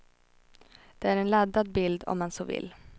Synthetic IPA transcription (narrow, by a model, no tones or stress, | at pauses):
d̪̥ɛæɾɛnlad̪ːad̪̚bɪld̪ɔ̰mːɛnsoːvɪ̰lː